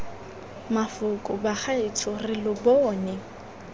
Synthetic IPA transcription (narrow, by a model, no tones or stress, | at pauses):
mafʊkʼʊbaχaɪtʰʊrɪlʊbɔːnɪ